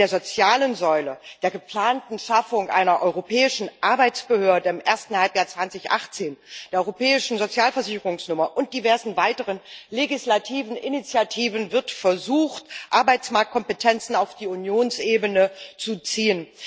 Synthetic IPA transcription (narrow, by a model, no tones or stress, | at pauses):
deːɐzot͡sjaːlənzɔʏləd̥eːɐɡəpl̥aːntn̩ʃafʊŋʔa̰ɪnɐʔɔʏʁopɛːɪʃn̩ʔaɐbaɪt͡sb̥əhøːɐdəɪmʔeːɐstn̩halpjaːɐt͡sv̥ant͡sɪçʔa̰χt͡seːnd̥eːɐɔʏʁopɛːɪʃn̩zot͡sjaːlfɛɐzɪçəʁʊŋsnʊmɐʔʊnt̚d̥ivɛɐzn̩vaɪtəʁənleɡɪslatʰiːvn̩ʔɪnit͡sjatʰiːvənvɪɐtfɛɐzuːxtʔaɐbaɪt͡smaɐk̚t̚kʰɔmpətʰɛnt͡sn̩aʊfd̥iːunjoːnsʔeːbənət͡sut͡siːən